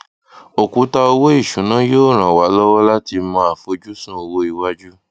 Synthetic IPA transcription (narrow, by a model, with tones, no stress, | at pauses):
o˨ku˨˦ta˧o˧wo˦i˦˨ʃũ˨˦nã˦jo˦˨ɾ̃ã˨wa˨˦lɔ˦wɔ˦la˦ti˧mɔ̃˧˦a˨fo˧d͡ʒu˦sũ˦o˧wo˦i˧wa˦d͡ʒu˦